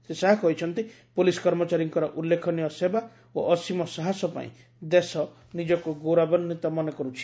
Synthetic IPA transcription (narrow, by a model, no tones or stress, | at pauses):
sesaɦakʰɔɦjt͡ʃʰɔnt̪i | polisɔ̥kɔɾmɔt͡ʃaɾiŋkɔɾɔʔulːekʰɔniɔseba | o̰ʔɔsimɔsaɦasɔpa̰ḭ̃ | d̪esɔ | nid͡ʒɔkuɡowɾabɔnnit̪ɔmanekɔɾut͡ʃʰi̥